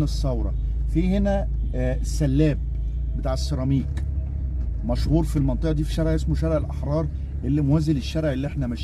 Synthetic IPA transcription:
nesˤːɑwɾˤɑ̰ | fiːhenæ | sːælːæːb̚ | bet̪aːʕesːeɾˤɑmiːk | mæʃhuːɾfilmɑnt̪ˤeʔd̪iːfi̥ʃæɾʕʔesmoʃæɾeʕelʔɑħɾˤɑːɾˤ | ʔelːimowæːzeleʃːæɾʕelːiʔeħnæmæʃ

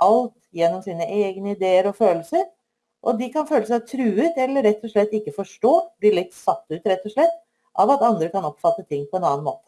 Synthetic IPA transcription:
ʔɑlt̪jɛnːɔmsiːnəʔeːɡnəɪd̪eːəɾɔføːllsəɾ | ʔɔd̪ɪkɑnføːləs̬æt̪ʰɾʉːʉt̪ɛlːəɾɛt̪ːɔʂɭɛt̪ːɪkːəfɔʂʈoːblɪɭɪt̪ːsɑt̪ːʉːt̪ɾɛt̪ːɔʂɭɛt̪ː | ʔɑʋɑt̪ɑnd̪ɾəkɑnɔpfɑt̪ːət̪ʰɪŋːpʰɔɛnɑːnmoːt̪ə̥

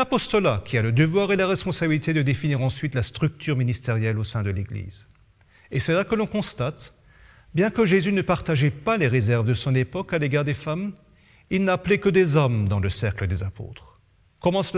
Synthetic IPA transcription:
apɔst̪ɔlakʲialəd̪əvwaʁelaʁɛspɔ̃sabilit̪ed̪əd̪efiniʁɑ̃sɥit̪last̪χyk̚t̪yʁminist̪eʁjɛlosɛ̃d̪əleɡlḭz | esɛlakəlɔ̃kɔ̃st̪at̪ | bjɛ̃kəʒezynəpaʁt̪aʒɛpaleʁezɛʁvd̪əsɔ̃nepɔkaleɡaʁd̪efam | ilnaːplekəd̪ezɔmd̪ɑ̃ləsɛʁkləd̪ezapo̰t̪χ | kɔmɑ̃s

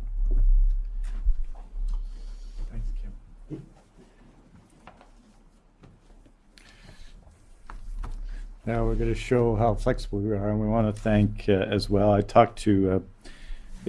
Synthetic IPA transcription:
θæ̃ŋkskʰ | naʊwɪɹɡʌɾɨʃoʊɦaʊflɛksəbl̩ˠwiə˞ɨ̃nwiwɑ̃nɨθæ̃ŋkɨzwɛlˠaɪtʰɔk̚tʰɨ

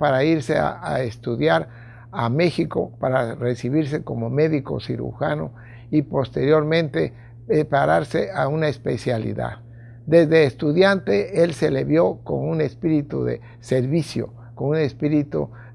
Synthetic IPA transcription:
paɾaiɾsea̰aest̪uðjaɾ | ame̞xiko̞̰paɾaresiβiɾs̬e̞ko̞mo̞me̞ðiko̞̰siɾṵxano̞̰ | ipo̞st̪e̞ɾjo̞ɾmẽ̞nt̪e̞ | epaɾaɾse̞aunaespe̞sjalḭða̰ð | d̪e̞zðe̞ːst̪uðjant̪eelse̞leβjo̞ko̞̰nune̞spiɾit̪uðḛ | se̞ɾβisjo̰ | konune̞spiɾit̪ṵ

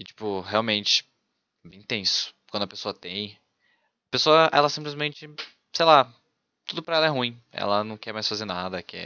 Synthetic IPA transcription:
ɪt͡ʃi̥pʊheawmẽnt͡ʃɪ̥ | bẽj̃t̪ẽsʊ̥kwɐ̃d̪ʊɐpesoɐt̪ẽj̃ | ɐpesoɐʔɛlɐsĩplɪzmẽnt͡ʃɪ | sejla | t̪ud̪ʊpɾɐɛlɐɛɦũĩɛ̰lɐnɐ̃w̃kɛɾmajsfazeɾnad̪ɐkɛ̰

